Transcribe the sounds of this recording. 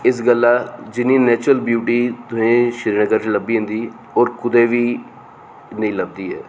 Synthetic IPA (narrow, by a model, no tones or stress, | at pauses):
ɪs̬ɡəlːaːd͡ʒɪniːnɛːt͡ʃɾəlbjuːʈiːt̪ʊɦẽːʃɪɾiːnəɡəɾt͡ʃeːləbiːɦẽːnd̪iː | ɔːɾkʊd̪eːʋiː | nəĩːləb̚d̪iːɦɛ̰ː